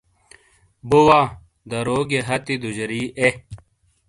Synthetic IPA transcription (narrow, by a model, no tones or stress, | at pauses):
buwa | d̪ɐɾoːɡeɦɐt̪id̪ud͡ʑɾiːʔe